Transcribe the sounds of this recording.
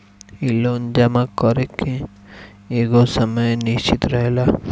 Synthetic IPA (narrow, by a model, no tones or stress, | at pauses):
ilond͡ʒɐmakɔɾekːe | eɡosəməjniʃt͡ʃit̪ɾɐɦela